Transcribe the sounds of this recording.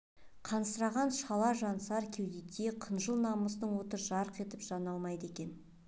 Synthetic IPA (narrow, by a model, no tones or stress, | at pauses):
qʰɑnəst̪əɾɑʁɑnʃɑlˠɑʒɑnsɑɾkʲʰe̞wd̪et̪ʲeqʰənʒəlˠnɑməst̪əɴwo̞t̪əɾʒɑɾəqe̞t̪ɪpʒ̥ɑnɑlˠmɑjd̪əe̞kʲe̞n